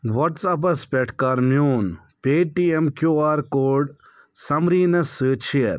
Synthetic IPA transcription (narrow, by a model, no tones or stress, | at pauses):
ʋɐʈsɐp̬ɐspʲɛʈʰkaɾmjuːn | pʲeːʈiemkjuːaːɾkoːɖ | sɐmɾiːnɐsɨt͡ʃʰiɐɾ